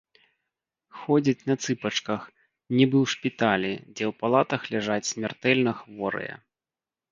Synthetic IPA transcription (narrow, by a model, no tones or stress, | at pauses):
xɔd͡zʲit͡sʲnɐt̪sɨpɐt͡ʂkɐx | nʲibɨwʂpʲit̪alʲid͡zʲɛwpalˠat̪ɐxlʲɛʐat͡sʲsʲmʲart̪ɛlʲnɐxvɔɾɨ̰jɐ̰